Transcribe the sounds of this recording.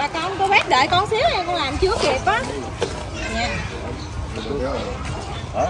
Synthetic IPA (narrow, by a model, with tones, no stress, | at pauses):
aː˨˩ka˧ko˧ɓɛ˦˥t̚ɗḛː˧˨˩jkɔ˧nsi˨˦əwɲaː˧˩kɔ˧ŋlaː˨˩mt͡ɕɨ˦əki˨˩p̚ʔaː˨˦ | ɲa˨˩˧